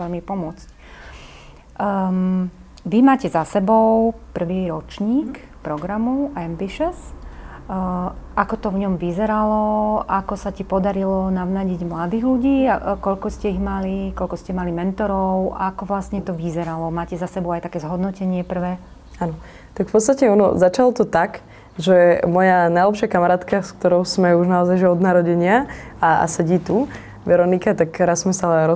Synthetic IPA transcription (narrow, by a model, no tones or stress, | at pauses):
ɛʎmipɔmʊɔt͡sc | ʋimaːcɛzasɛbɔʊpr̩ʋiɾɔt͡ʃɲiːk | pɾɔɡɾamuɛmbiʃɛs | ʔakɔt̪ɔvɲɔmʋizɛɾalɔʔakɔsacipɔd̪aɾilɔnaʋnaɟiɟmlad̪iːɣluɟiːakɔʎkɔscɛiɣmalikɔʎkɔscɛmalimɛnt̪ɔɾɔʊakɔʋlasɲɛt̪ɔʋizɛɾalɔmaːcɛzasɛbɔʊajt̪akɛːzɦɔd̪nɔcɛɲɪɛpr̩ʋɛː | anɔ | t̪akfpɔt̪t͡sst̪acɛɔnɔ̰zat͡ʃalɔt̪ɔt̪ak | ʒɛmɔjanajlɛpʃɪakamaɾaːt̪kask̚t̪ɔɾɔʊsmɛuʒnaɔzajʒɛɔd̪naɾɔɟɛɲɪaaa̰sɛɟiːt̪u | ʋɛɾɔnikat̪akɾasːmɛsaalɛɾɔ